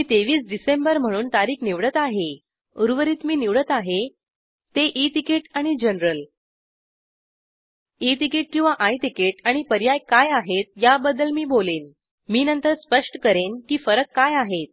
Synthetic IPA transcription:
miːt̪eʋiːsɖisembəɾm̤əɽ̃uːnt̪aɾiːkniʋɽət̪aɦe | uɾʋəɾiːt̪miːniʋɽət̪aɦe | t̪eʔit̪ikeʈaɽ̃id͡ʑənɾəl | it̪ikeːʈ̚kĩw̃ʋaʔajt̪ikeʈaɽ̃ipəɾjajkajaɦet̪̚jabəd̪əlmiːboleːn | miːnənt̪əɾspəʂʈəkəɾenkiːfəɾəkːajaɦet̪̚

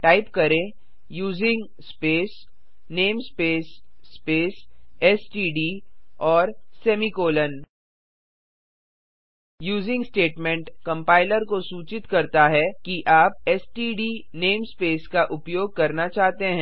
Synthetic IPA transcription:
ʈaːɪpkɐɾẽ | juːzɪ̃ŋɡ | speːs | neːmspeːsːpeːsɛsʈiːɖiːɔːɾsɛːmikoːlən | juːzɪ̃ŋɡsʈeːʈmɛ̃ɳʈkɐ̃mpaːɪləɾkosuːt͡ʃɪt̪kɐɾt̪aɦɛkiʔaːp̚ɛsʈiːɖiːneːmspeːskaʔʊpjoːɡ̚kɐɾnat͡ʃaːɦt̪eɦɛ̃

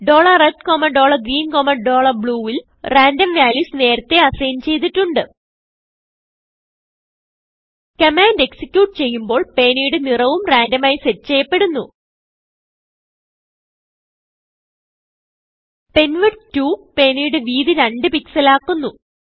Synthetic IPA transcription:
ɖo̞ːɭɐreʈkoːmɐɖo̞ːɭɐɡɾiːnkoːmɐɖo̞ːɭɐrbɭuːʋil | raːndɐmʋjaːljuːsne̞ːɾɐt̪ːe̞ɐsɐjɐmt͡ɕe̞jt̪̬iʈːuɳɖɨ | kɐmaːndeksi̥kʲjuːʈːɨt͡ɕe̞jːumbo̞ːɭpe̞ːnijuɽɨnirɐʋumraːndɐmaːjiseːt͡ɕe̞jɐpːe̞ɽunːu | pe̞nʋiɖtːuːpe̞ːnijuɽɨʋiːðiɾɐɳɖɨpiksɐlaːkːunːu

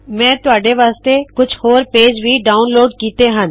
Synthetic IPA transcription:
mɛ̃ːt̪ʊaːɖeʋaːst̪ekʊd͡ʒʱhoːɾpeːd͡ʒʋʱiːɖaːʊnloːɖkiːt̪eɦə̃n

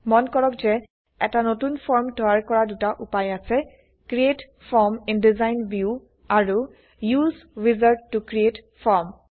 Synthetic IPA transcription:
mɔnkɔɹɔkzɛ | ɛtanotunpʰɔɹmtɔjaɹkɔɹadutaʔupajasɛ | kɹiet | fʰɔɹmindizajnbju | aɹu | juzɹizaɹdːukɹietfʰɔɹm

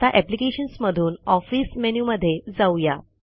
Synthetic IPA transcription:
t̪aʔɛplikeɕənsməd̪ʱuːnɔfiːsmenuːməd̪ʱːjed͡zauja

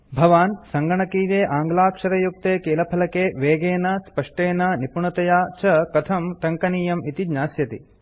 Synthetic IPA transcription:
bʱɐʋaːnsɐŋɡɐɳɐkiːɾeːʔaːŋɡlaːkʂɐɾɐjuk̚t̪eːkeːlɐpʰɐlɐkeːʋeːɡeːnɐspɐʂʈeːnɐnipuɳɐt̪ɐjaːt͡ʃɐkɐt̪ʰɐmʈ̪ɐŋkɐniːjɐmit̪id͡ʒɲaːsjɐt̪ḭ

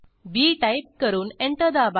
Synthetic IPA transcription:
biːʈajp̚kəɾuːneɳʈ̪əd̪aba

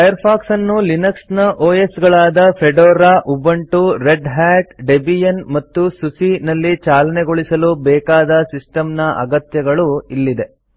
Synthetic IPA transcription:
pɐjɐɾpʰaːksɐnːulinɐksnɐʔoːjesɡɐɭaːd̪ɐpʰeɖoːɾaːʔubɐɳʈuɾeɖɦæːʈɖebijenmɐt̪ːususinɐlːit͡ʃaːlɐneɡoɭisɐlubɛːkaːd̪ɐsisʈɐmnɐʔɐ̰ɡɐt̪jɐɡɐɭuilːid̪e̞

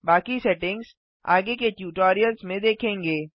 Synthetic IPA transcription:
baːkisɛʈɪ̃ŋɡz | a̰ːɡekeʈjuːʈɔːɾijəlzmẽd̪eːkʰẽːŋɡeː

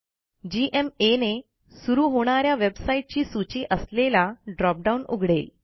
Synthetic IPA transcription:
d͡ʑiʔemene | suɾuːɦoɽ̃aɾjaʋebsaiʈ̚t͡ɕiːsut͡ɕiːʔəslelaɖɾɔp̚ɖaunṵɡʱɽel

